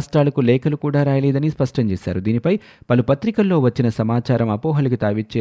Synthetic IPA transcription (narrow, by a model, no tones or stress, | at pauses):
sʈɾaːlɐkulɛːkɐlukuːɽaːɾaːjɐlɛːd̪ɐnispɐʂʈɐɲt͡ʃɛːʃa̰ːɾud̪iːnipɐj | pɐlupɐt̪ɾikɐlːo̞ːʋɐt͡ʃːinɐsɐmaːt͡ʃaːɾɐmɐpɔːɦɐlukit̪aːʋit͡ʃːe